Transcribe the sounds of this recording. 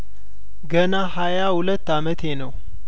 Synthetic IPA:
ɡənahajahulət̪ːamət̪ʰe̞nəw

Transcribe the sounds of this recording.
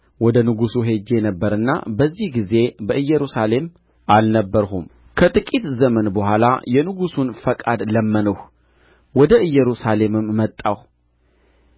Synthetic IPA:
wɔd̪ənɨɡusuɦe̞d͡ʒe̞nəbːəɾɨnːa̰bəzːihɡize̞bəʔɨjːɛɾusale̞m | ʔalnəbːəɾhum | kʰət̪ʼɨkʼit̪zəmənbəɦʷala̰jɛnɨɡusunfəkʼad̪ləmːənəh | wɔd̪əɨjːɛɾusale̞mɨmːət̪ʼːah

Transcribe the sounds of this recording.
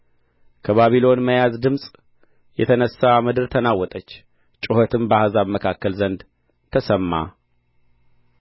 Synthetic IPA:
kʰəβaβilo̞nməjazd̪ɨmsʼ | jɛt̪ʰənəsːamɨd̪ɨɾt̪ʰənawːɔt̪ʼət͡ʃː | t͡ʃʼɪhɔt̪ʰɨmbəahazaβməkʰakːəlzənd̪ | t̪ʰəsəmːa̰

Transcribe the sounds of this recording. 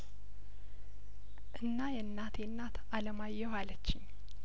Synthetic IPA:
ʔɨnːajɛnːat̪ʰjɛnːat̪ʰaləmajːɛwalət͡ʃːɪɲː

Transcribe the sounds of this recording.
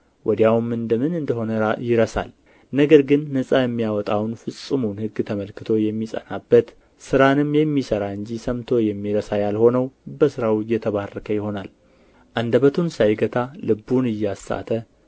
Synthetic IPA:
wʔɔd̪jawumɨnd̪əmɨnɨnd̪əɦo̞nəɾajɪɾəsa̰l | nəɡəɾɡɨnːəsʼajɛmːijawɔt̪ʼawnfɨsʼɨmunhɨɡːt̪ʰəməlkɨt̪ʰo̞jɛmːisʼə̰nabːət̪ | sɨɾanɨmjɛmːisəɾaɨɲd͡ʒisəmt̪ʰo̞jɛmːiɾəsajalho̞nəwbəsɨɾawjɛt̪ʰəβarːəkʰəjɪho̞nal | ʔand̪əβət̪ʰunsajɡət̪ʰalɨbːunɨjːasa̰t̪ʰə

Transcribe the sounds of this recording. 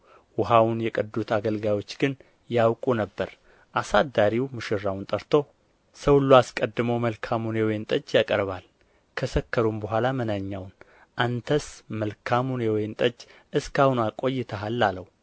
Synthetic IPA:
wʊɦawʊnjɛkʼəd̪ːut̪ʰaɡəlɡawo̞t͡ʃːɡɨn | jawkʼunəbːəɾ | ʔasad̪aɾiwmɨʃɪɾːawʊnt̪ʼəɾt̪ʰo̞ | səwlːuaskʼəd̪ːɨməwməlkʰamunewɔjnt̪ʼəd͡ʒjakʼəɾβal | kʰəsəkʰːəɾumbəɦʷalamənaɲːawn | ʔant̪ʰəsməlkʰamunewɔjnt̪ʼəd͡ʒː | ɨskahunakʼo̞jːɪt̪ʰəalːaləw

